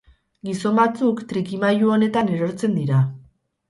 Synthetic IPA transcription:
ɡiso̞mbat͡sukt̪ɾikimajuo̞ne̞t̪ane̞ɾo̞ɾt͡se̞nd̪iɾa

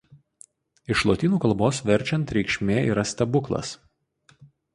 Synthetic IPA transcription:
ɪʃlˠoːt̪ʲiːnuːkɐlˠboːsʋʲɛɾʲˑt͡ʃʲɛnt̪ɾʲɛɪkʃʲmʲeːiːɾɐsʲt̪ʲɐbʊklˠɐ̰s

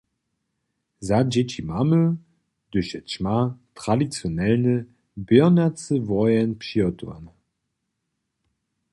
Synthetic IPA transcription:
zad͡ʑɛt͡ɕimamə | d̪̥ɵɕɛt͡ɕmat̪ʁ̥adit̪t͡sjɔnɛlnə | bjœnat͡səvɔjɛnpɕiɔt̪ua̰n

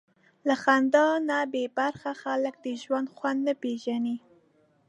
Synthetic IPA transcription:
laxand̪ɑnabebaɾxaxalək̚d̪əʒwand̪xwand̪napeʒani

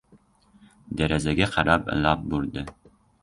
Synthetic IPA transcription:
d̪æɾæzæɡʲæqʰɑɾapɪ̰lˠɑp̚buɾd̪ɪ

